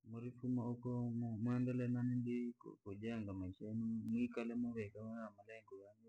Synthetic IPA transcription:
mɔɾifumaukɔmmwɛndɛlɛnanindikkud͡ʒɛŋɡamaiʃaɛnumwikalɛmɔβɛkaaamalɛŋɡɔjaɲɛ

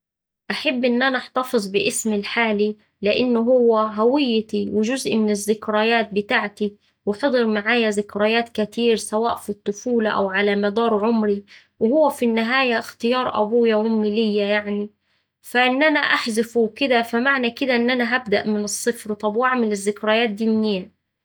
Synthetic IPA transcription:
ʔaħabːʔɪnːʔanaʔɑħt̪ɑfɨzˤbɪʔɪsmɪlħaːli | lɪʔɪnːʊɦʊwːæɦawɪjːt̪iwɪʒʊzʔmɪnɪzːɪkɾaːjaːt̪̚bɪt̪aːʕt̪i | wɪħɑd̪ˤɨɾmaʕaːjazɪkɾajaːt̪kat̪iːɾsawaːʔfit̪ˤːʊfuːlaʔa̰wʕalamad̪ɑːɾˤʕʊmɾi | wɪhʊwːæfinːɪɦaːjaxt̪ɪjɑːɾˤʔæ̰buːjawɪmːɪlɪjːajaʕni | faʔɪnːʔanaʔaħzɪfukɪd̪afamaʕnakɪd̪aʔɪnːʔanaɦabd̪a̰ʔmɪnɨsˤːɨfɾt̪ˤɑbwʔaʕmɪlɪzːɪkɾaːjaːt̪̚d̪iːmnːijːa

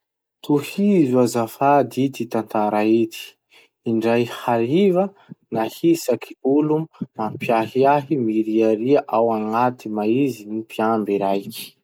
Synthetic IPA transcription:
t̪uhizuazafad̪it̪it̪ant̪aɾait̪ʰi̥ | iɳɖ͡ʐajhalivə | nahisakʰi̥ulumampjaɦiaɦimiɾiaɾiaʔawaŋat̪imaizinipiambiɾajki̥

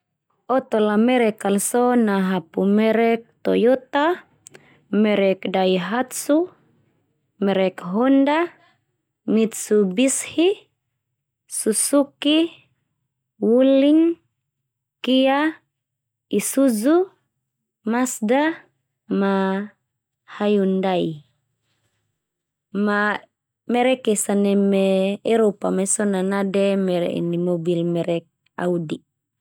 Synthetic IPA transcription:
ɔt̪ɔlamɛɾɛkalsɔnaɦapumɛɾɛk̚t̪ɔ̰jɔt̪a | mɛɾɛkdaiɦat̪su | mɛɾɛkɦɔnda | mit̪̚subishi | susuki | wuliŋ | kija | isuzu | masda | ma | hajundaj | ma | mɛɾɛkesanɛmɛeɾopamesɔnanadɛmɛɾ̰ḭnimobilmɛɾɛk̚ | a̰wdi

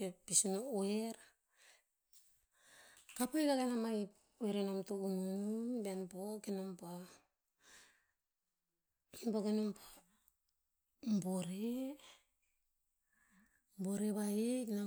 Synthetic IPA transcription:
episinooeɾ | kapajkaɡanamaj | oeɾenamtoɡununbenpokenompa | enbokenompḁ | mboɾe | mboɾeβaikna

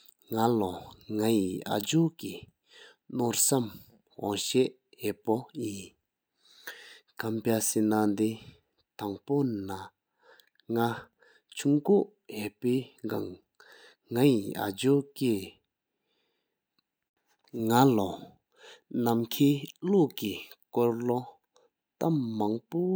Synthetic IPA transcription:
ŋalɔŋajiʔa̰d͡ʑoki | norsam | ɦɔ̰ŋɕeʔ | ɦepojin | kampasenand̪e | t̪aŋpona | ŋa | t͡ɕʰuŋkoʔ | ɦeʔpeːɡaŋː | ajia̰d͡ʑoke | ŋalɔ | namkʰiːloʔkikɔɹlo | t̪amːaŋpo

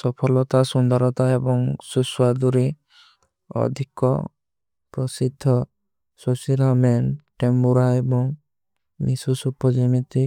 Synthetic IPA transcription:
sɔpʰɔlɔt̪asund̪ɔɾɔt̪aebɔŋsuswad̪uɾi | ɔ̰d̪ʱikɔ̰ | pɾɔsid̪ʱːɔ | susiɾɔmenʈembuɾaebɔŋ | misusupɔd͡ʒimit̪i

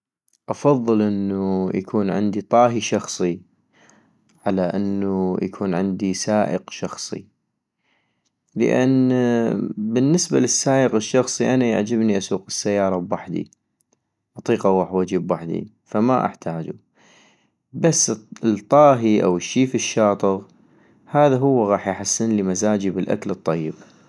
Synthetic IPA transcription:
ʔɑfɑðˤːɨlʔɪnːuja̰kʰuːnʕɪnd̪it̪ˤɑːɦiʃɑxsˤi | ʕalaʔɪnːujakʰuːnʕɪnd̪isaːʔə̰qʃɑxsˤḭ | lə̰ʔa̰n | bɪnːɪsbalɪsːaːʔəqɪʃːɑxsˤiʔanaja̰ʕd͡ʒɪbniʔasuːqɪ̥sːajːɑːɾˤɑbwaħd̪ḭ | ʔɑt̪ˤiːqaɣaːħwad͡ʒibwaħd̪ḭ | fama̰ʔa̰ħt̪ʰaːd͡ʒu | basːt̪ˤːɑːɦiʔa̰wɪʃːiːfiʃːɑːt̪ˤɨɣ | haːðaɦʊwːɣɑːħjħasːɪnlimazaːd͡ʒibɪlʔa̰klɨt̪ˤːɑjːɪb

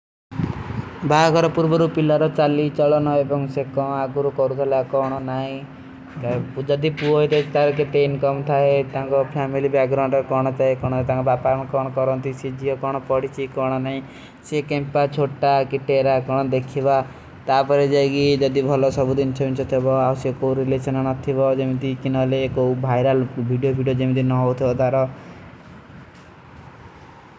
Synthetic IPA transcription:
bʱakɔɾɔpuɾbɔɾupilaɾɔt͡ʃalit͡ʃɔɭɔnɔebɔŋsekɔ̃aɡuɾukɔɾut̪ʰɔlakɔɽ̃ɔnaɦĩ | kapud͡ʒɔd̪ipuɔɦet̪et͡ʃt̪aɾɔket̪enkɔmt̪ʰaet̪ãŋkɔpʰamilibak̚ɡɾawɳɖekɔɽ̃ɔt͡ʃaɦekɔɽ̃ɔt̪ãŋkɔbapamkɔɽ̃ɔkɔɾɔnt̪isid͡ʒiɔkɔɽ̃ɔpɔɽit͡ʃʰikɔɽ̃ɔnaɦĩ | sekempat͡ʃʰoʈakiʈeɾakɔɽ̃ɔd̪ekʰiba | t̪apɔɾed͡ʒajɡid͡ʒɔd̪ibʱɔlɔsɔbud̪int͡ʃʰɔbint͡ʃʰɔt̪ʰebɔabɔsjɔkowɾilesɔnɔnɔt̪ʰibɔd͡ʒemit̪ikinɔleːkobʱajɾalbʱiɖijobʱiɖijod͡ʒemit̪inɔɦɔwt̪ʰibɔt̪aɾɔ

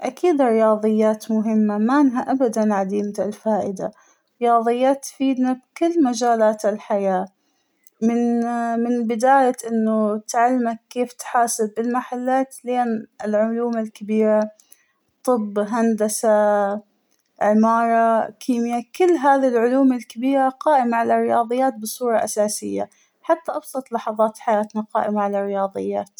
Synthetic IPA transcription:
ʔakʰiːd̪ɾɪjɑːðˤɨjːaːt̪mʊɦɪmːamaʔɪnɦaʔabad̪anʕad̪iːmt̪alfaːʔɪd̪a | ɾɪjɑːðˤɨjːaːt̪ːfiːd̪nab̚kʊlːmad͡ʒaːlaːt̪ɪlħajaː | mɪnmɪnbɪd̪aːjaʔɪnːʊt̪ʕalːmakːeːft̪ħaːsɪbːɪlmaħalːaːt̪leːnɪlʕʊluːmalkabiːɾa | t̪ˤɨbːɦand̪asa | ʕɪmɑːɾˤɑkʰiːmjakʊlːɦaːðilʕʊluːmalkabiːɾaqɑːʔɪmaʕalarɪjɑːðˤɨjːaːt̪̚bɨsˤuːɾˤɑʔasaːsɪjːa̰ | ħat̪ːaʔɑbsˤɑt̪ˤlɑħɑðˤɑːt̪ħajaːt̪naqɑ̰ːʔɪmaʕalarɪjɑːðˤɨ̰jːa̰ːt̪

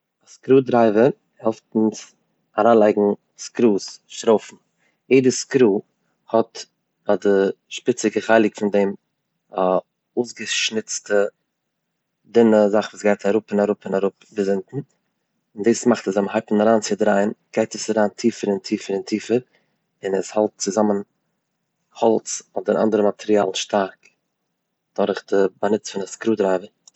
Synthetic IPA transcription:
askɾuːdɾaɪvə | hɛlˠftn̩s | aɾaːnlˠaɪɡŋ̩ | skɾuːsʃtɾoʊfn̩ | jeɪdəskɾuː | hɔt | adɪʃpɪt͡sɪɡəχaɪlˠɪkfɪndɛm | a | oːsɡəʃnɪt͡stə | dɪnəzaχvuːsɡaɪtʰaɾʊpɪnaɾʊpɪnaɾʊpbəzɪntn̩ | ɪndiːsmaχtəszɛmhaɪpn̩aɾaːnt͡sɪdɾaɪənɡ̥aɪtisaɾaːntʰiːfəɾɪntʰiːfəɾɪntʰiːfəɾ | ɪnəshalˠt̚t͡sɪzamən | hɔlˠt͡sɔdəɾʔa̰ndəɾəmatʰɛɾia̰ːlˠn̩ʃtʰaɾk | d̥ɔɾɪχdɪbanɪt͡sfɪnaskɾuːdɾaɪvə

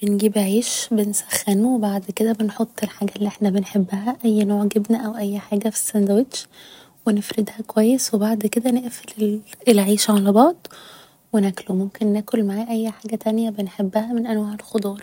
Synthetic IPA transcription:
b̥enɡiːbʕiːʃbensæ̥xːænuwebaʕd̪ked̪æbenħot̪ˤːelħaːɡælːiʔeħnæbenħebːæhæʔæjːnoːʕɡebnæʔæwʔæjːħaːɡæfi̥sːænd̪æwed̪ʃ | wenefɾed̪hækowæjːeswebaʕd̪ked̪æneʔfelelʕiːʃʕalæbɑʕd̪ˤ | wenæklomomkenːæːkolmaʕæːʔæjːħaːɡæt̪ænjæbenħebːæhæmenʔænwaːʕelxod̪ˤɑːɾˤ

